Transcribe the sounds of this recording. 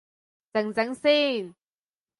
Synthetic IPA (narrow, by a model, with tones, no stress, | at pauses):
t͡sɐ˨˩ŋt͡sɐ˨˥ŋsiː˥˩n